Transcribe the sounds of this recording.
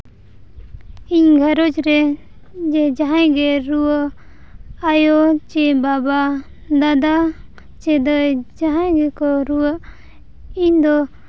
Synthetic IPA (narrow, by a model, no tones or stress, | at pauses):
iɲɡʱaɾɔd͡ʒɾɛ | d͡ʒɛd͡ʒaɦãɡɛɾuaʔ | ajɔt͡ʃɛbaba | d̪ad̪a | t͡ʃɛd̪ɔd͡ʒaɦãɡɛkɔɾuaʔ | iɲd̪ɔ